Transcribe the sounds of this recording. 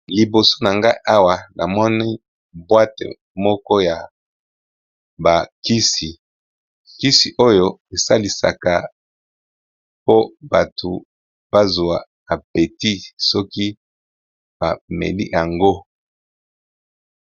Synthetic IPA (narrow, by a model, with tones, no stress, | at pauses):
li˨bo˨so̥˦na˨ŋɡa˦i˦ʔa˦wa˨nʔa˨mɔ˦ni˦ | bwa˦tḛ˨ | mɔ˦kɔ˦ja˨ | ba˨ki˦si˨ | ki˦si˨ʔo˦jo˦e˨sa˦li˨sa̰˨ka˨ | po˦ba˨tʰo˨ | b̥a˦zu˨a˨ | a˨pe˨ti˦sɔ˦ki˦ | b̥a̰˨mḛ˨lḭ˦jʔa˨ŋɡo˦